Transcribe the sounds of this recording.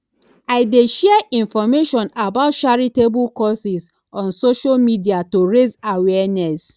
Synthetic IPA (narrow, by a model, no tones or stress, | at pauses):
aɪdeʃɛɛʔĩnfɔmeʃɔ̃nabaʊt̚t͡ʃaɹitebukɔsis | ɔ̃nsoʃalmidiatoɹezawɛɛnɛs